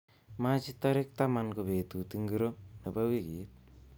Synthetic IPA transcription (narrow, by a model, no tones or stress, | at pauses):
mad͡ʒit̪aɾek̚t̪amankobet̪ut̪iŋɡɯɾonabaweɡḭt̪̚